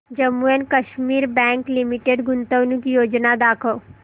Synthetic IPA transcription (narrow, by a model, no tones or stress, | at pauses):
d͡ʒəmːuenkɐʃmiːɾbɛ̃ːŋklɪmɪʈeɖɡʊnt̪əʋnũkijoːd͡ʒnad̪aːkʰəo